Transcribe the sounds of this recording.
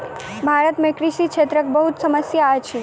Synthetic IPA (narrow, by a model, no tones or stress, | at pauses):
bʱaɾət̪mẽkɾiʃikʃʰet̪ɾək̚bəɦut̪səməsjaːt͡ʃʰi